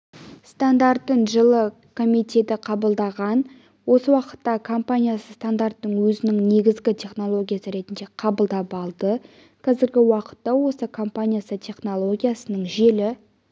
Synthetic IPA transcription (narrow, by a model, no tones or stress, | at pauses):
st̪and̪art̪ːəɴʒəlˠə | kʰo̞mijt̪e̞t̪ɪqʰɑbəlˠd̪ɑʁɑn | wo̞səwɑqə̥t̪ːɑkʰo̞mpanʲijasəst̪and̪art̪ːəɴwɵzɪnɪŋne̞ɡʲɪzɡʲɪt̪ʲʰe̞χno̞lˠo̞ɡʲijasəɾe̞t̪ɪnd̪e̞qʰɑbəlˠd̪ɑpɑlˠd̪ə | qʰɑzɪɾɡʲɪwɑqə̥t̪ːɑwo̞səkʰo̞mpanʲijasət̪ʲʰe̞χno̞lˠo̞ɡʲijasənəɴʒelɪ